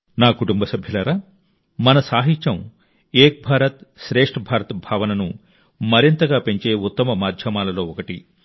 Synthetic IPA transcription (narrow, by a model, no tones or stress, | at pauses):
naːkuʈumbɐsɐbʱjɐlɐːɾaː | mɐnɐsaːɦit͡ʃɐm | eːk̚bʱaːɾɐt̪ʃɾeːʂʈɐbʱaːɾɐt̪ɐbʱaːʋɐnɐnu | mɐɾint̪ɐɡaːpe̞ɲt͡ʃe̞ːut̪ːɐmɐmaːd̪ʱjɐmaːlɐlo̞ːɔkɐʈi